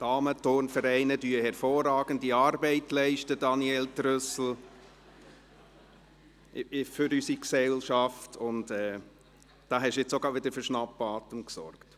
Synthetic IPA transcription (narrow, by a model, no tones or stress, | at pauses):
tɑːmətoɾnfəɾɛɪnədyəhɛɾfoːrɑːɡ̥əndiɑːɾbɛɪtlɛɪʃtədɑniɛltɾœsl̩ | fʏɾysiksɛlʃɑftʰʊntɛː | d̥ɑːɦɛʃjɛt͡soɡɑːʋɪdəfʏɾʃnɑpːɑːt̪əmksɔ̰rkt